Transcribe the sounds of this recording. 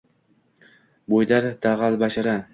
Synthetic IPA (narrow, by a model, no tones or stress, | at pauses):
bojd̪aɾd̪̥aʁalˠbaʃaɾa